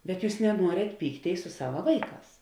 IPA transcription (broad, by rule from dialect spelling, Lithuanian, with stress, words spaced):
bʲɛt ˈjuːs nʲɛˈnuɔrʲeːt ˈpʲiːkˌtʲeːɪs sʊ ˈsɑːʋɐ ˈʋɐɪˌkɑːs